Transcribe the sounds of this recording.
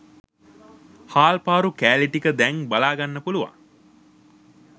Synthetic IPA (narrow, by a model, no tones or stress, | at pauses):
haːlpaːɾukæːliʈikəd̪ɛŋbalaːɡanːəpuluʋa̰ŋ